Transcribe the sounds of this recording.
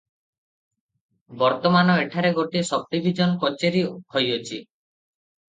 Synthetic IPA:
bɔɾt̪ɔmanɔeʈʰaɾeɡoʈisɔb̚ʈibʱid͡ʒɔnkɔt͡ʃeɾihɔjot͡ʃʰi

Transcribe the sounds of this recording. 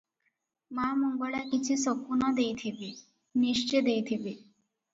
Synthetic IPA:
mamɔŋɡoɭakit͡ɕʰisɔkunɔd̪ejt̪ʰibi | niʂt͡ʃed̪ejt̪ʰibi

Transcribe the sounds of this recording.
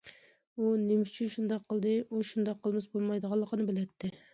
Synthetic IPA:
unemst͡ʃʰynʃund̪ɑqʰːəlˠd̪ɨʔuʃund̪ɑqʰːəlˠmɪsbolˠmɑjd̪əʁɑlˠːəqʰənɨbɪlɛt̪ʰːɪ

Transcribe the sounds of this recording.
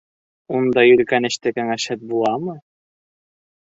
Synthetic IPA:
und̪ɑjɵ̆lkænɘ̆ʃt̪ɘkæŋæʃɘt̪̚bulˠɑmɤ

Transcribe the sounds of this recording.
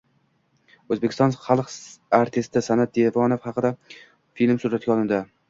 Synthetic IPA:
ɵzbekʲʰɪst̪ɒnχɑlˠqaɾt̪ʰɪst̪ɪsanat̪̚d̪evɒnofhɑqɨd̪a | filmsuɾat̪ɡʲaɒlˠɪnd̪a

